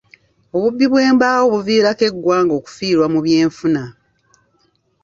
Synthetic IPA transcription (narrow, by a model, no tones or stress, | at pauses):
o̞βubːiβwe̞ːmbaːwoβuviːɾake̞ɡːwaːŋɡo̞ːku̥fiːɾwamuβje̞ːɱfuna